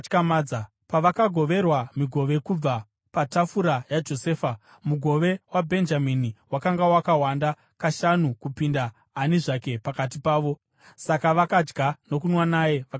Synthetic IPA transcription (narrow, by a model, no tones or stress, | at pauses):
kamaːd͡za | paʋakaɡʱo̞ʋe̞rwamiɡʱo̞ʋe̞kub͡va | patafuɾajad͡ʒo̞se̞ːfa | muɡʱo̞ʋe̞wabʱe̞nd͡ʒaminiwakaŋɡawakawanda | kaʃanukupindaː | niʐake̞pakat̬ipaːʋo̞ | sakaʋakad͡ʒɡʱano̞k̬unwanaːjeʋa